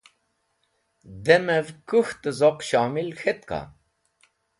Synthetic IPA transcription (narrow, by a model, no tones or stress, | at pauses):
d̪emɛvkuxt̪ɨzɔqɕaːmilxet̪kɑ̰